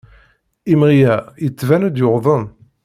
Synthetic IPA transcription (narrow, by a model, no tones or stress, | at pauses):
imʁijæjət͡sːvænæd̪jʊʁðˤən